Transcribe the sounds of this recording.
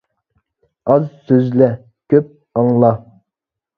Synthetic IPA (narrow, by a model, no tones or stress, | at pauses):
ɑzsøzlɛ | kʲʰøp̚ | ɑŋlˠɑ